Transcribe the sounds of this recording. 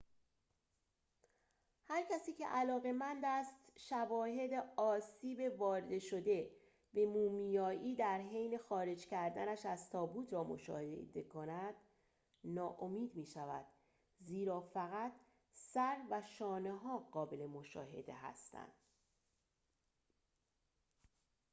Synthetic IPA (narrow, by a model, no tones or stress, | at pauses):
hæɾkcʰæsiːcʰe̞̰ʔælɒːɣe̞mænd̪æst̪ʃævɒːhe̞d̪eɒːsiːbe̞vɒːɾed̪e̞ʃo̞d̪e̞ | be̞muːmijɒːʔiːd̪æɾɦejne̞xɒːɾe̞d͡ʒcʰæɾd̪ænæʃæzt̪ʰɒːbuːt̪ʰɾɒːmo̞̰ʃɒ̰ːheed̪ekʰo̞næd̪̥ | nɒːʔomiːd̪miːʃævæ̰d̪̥ | ziːɾɒːfæɣæt̪ʰ | sæɾvæʃɒːneɦɒːɢɒːbele̞mo̞ʃɒ̰ːɦe̞̰d̪e̞̰ɦæ̰st̪æ̰nd̪̥